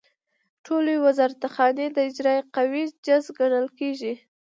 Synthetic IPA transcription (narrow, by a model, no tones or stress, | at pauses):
ʈʰolewazɑɾat̪axɑned̪əɪd͡ʒɾɑjqawid͡ʒazɡaɽəlkeʒi